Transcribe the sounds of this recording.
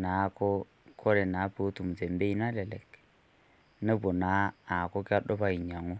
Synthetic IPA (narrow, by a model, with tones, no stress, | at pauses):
na˨˦ko˦ | kʰɔ˦ɾe˨na˨˦po˨˦tu˨m̩˨t͡se˨m˦be˦i˦na˦lɛ˨lɛ˨k | ne˦bo˨na˨˦a˨ko˦kɪ˦a˦ɗɔ˦pa˨i˨ɲa˨ŋo˦